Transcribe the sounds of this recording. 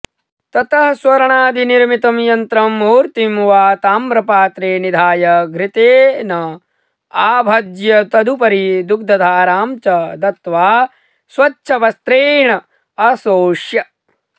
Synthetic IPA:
t̪ɐt̪ɐɦswɐɾɐɳaːd̪ʱiniɾmit̪ɐmjɐnt̪ɾɐmuːɾt̪imʋaːt̪aːmbɾɐpaːt̪ɾeːnid̪ʱaːjɐɡɾɪt̪eːnɐ | aːbʱɐd̪jɐt̪ɐd̪ʱupɐɾid̪uk̚d̪ʱɐd̪ʱaːɾaːmt͡ʃɐd̪ɐt̪ʋaː | sʋɐtːʃʰɐʋɐst̪ɾeːɳɐ | ɐsoːʃjɐ

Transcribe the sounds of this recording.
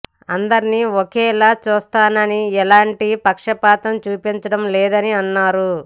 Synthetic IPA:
ɐnd̪ɐɾiniɔkɛːlaːt͡ʃuːst̪aːnɐniɛlaːɳʈipɐkʂɐpaːt̪ɐmt͡ʃuːpiɲt͡ʃɐɽɐmlɛːd̪ɐniɐnːaːɾu

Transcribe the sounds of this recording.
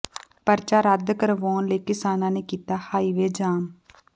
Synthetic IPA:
pəɾt͡ʃaːɾəd̪kəɾʋoːnleːkɪsaːnãːneːkiːt̪aːhaːiːʋeːd͡ʒaːm

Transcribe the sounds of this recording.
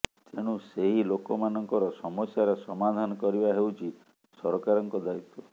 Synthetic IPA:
t̪ʰeɽ̃useɦilokɔmanɔŋkɔɾɔsɔmɔsjaɾesɔmad̪ʱanɔkɔɾibaɦewt͡ʃʰi | sɔɾɔkaɾɔŋkɔd̪ait̪ːɔ

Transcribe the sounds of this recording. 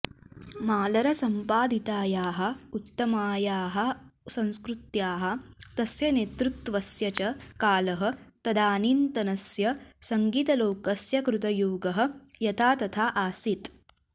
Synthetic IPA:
maːlɐɾɐsɐmpaːd̪ʱit̪aːjaːɦɐ̆ut̪ːɐmaːjaːɦɐ̆sɐ̃w̃skɾut̪jaːɦɐ̆t̪ɐsjɐneːt̪ɾut̪ʋɐsjɐt͡ʃɐkaːlɐɦɐ̆t̪ɐd̪aːniːnt̪ɐnɐsjɐsɐŋɡiːt̪ɐloːkɐsjɐkɾut̪ɐjuːɡɐɦɐ̆jɐt̪ʰaːt̪ɐt̪ʰaːʔaːsit̪

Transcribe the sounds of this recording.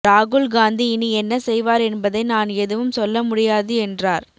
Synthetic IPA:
ɾaːɣɯɭɡaːnd̪iɪniɛnːɐsɛjʋaːɾɛnbɐðɐɪnaːnɛðɯʋɯmsɔlːɐmʊɽɪjaːðɯɛndraːɾ

